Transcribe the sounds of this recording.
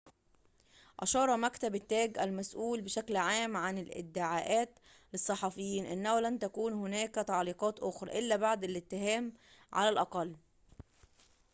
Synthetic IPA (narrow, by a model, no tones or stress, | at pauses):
ʔɑʃɑːɾˤɑmækt̪æbɪt̪ːæːɡʔælmæsʔuːlbeʃæklʕaːmʕanɪlʔɪ̰d̪ːɪʕaːʔæːt̪ | lesˤːɑħɑfejːiːnʔɪnːæhlænt̪ækuːnhʊnæːkæt̪ɑʕliːqɑːt̪ʔʊxɾˤɑ̰ʔɪlːæbaʕd̪ælɪt̪ːɪɦæːm | ʕa̰lælʔɑqɑlː